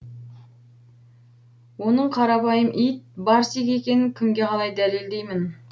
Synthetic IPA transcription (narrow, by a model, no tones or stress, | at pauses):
wo̞nəɴqʰɑɾɑpɑjəmʔijt̪̚bɑɾsiɡʲe̞kʲe̞nɪŋkʲʰʏŋɡʲe̞qʰɑlˠɑjd̪æleld̪e̞jmɪn